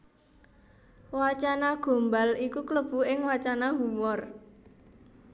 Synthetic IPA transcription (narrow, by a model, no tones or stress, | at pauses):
wat͡ʃanaɡ̥o̤mbalikukləb̥ṳɪŋwat͡ʃanaɦumɔr